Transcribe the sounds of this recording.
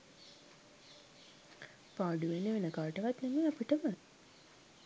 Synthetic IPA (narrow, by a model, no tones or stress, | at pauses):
paːɖuʋeneʋenəkaɾʈəʋat̪nemeːapiʈəmə